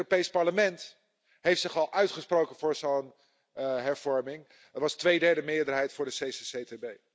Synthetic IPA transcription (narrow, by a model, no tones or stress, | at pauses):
ropejspɑɹləmɛnt | ɦejftsɪχɑlˠʔœɥtχəsprowkənvʊːɹzown | ɦɛɹv̥ɔɹmɪŋ | ətʋɑstʋejdɛɹdəmɪːəɹdəɹɦɛjtfʊːɹdəsesesetebej